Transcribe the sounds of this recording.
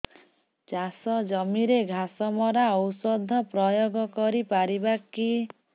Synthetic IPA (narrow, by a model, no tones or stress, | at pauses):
d͡ʒasɔd͡ʒɔmiɾeɡʱasɔmɔɾaɔwsɔd̪ʱːɔpɾɔjoɡɔkɔɾipaɾibaki